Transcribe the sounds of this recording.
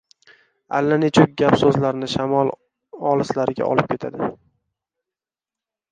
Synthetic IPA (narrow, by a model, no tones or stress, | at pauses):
alːanet͡ʃʰʊk̚ʲɡʲapsɵzlaɾnɪʃamɒlˠ | ɒlˠɪslaɾɪɡʲa̰ʔɒ̰lɪp̚kʰʲe̞t̪ʰa̰d̪ɪ